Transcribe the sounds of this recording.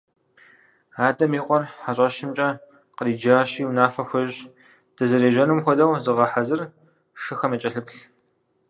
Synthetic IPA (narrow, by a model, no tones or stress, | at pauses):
aːdɐmiːqʷɔrħaɕʷʼɐʃɪmt͡ʃʼɐ | qəriːd͡ʒaːɕiːunaːfɐxʷɔʑ | d̥ɐzɨɾeːʒɐnumxʷɔdɐwzɨʁɐħazɨr | ʂɨxɐmɐt͡ʃʼɐɬɨpɬ